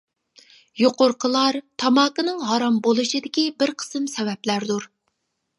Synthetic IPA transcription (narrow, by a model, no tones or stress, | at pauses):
joqʊɾqʰəlˠɑɾt̪ʰɑmɑːkənɨŋɦɑɾɑmbolˠɨʃɨd̪ɪkʲibɪɾqʰə̥sɨmsɛvɛplæɾd̪uɾ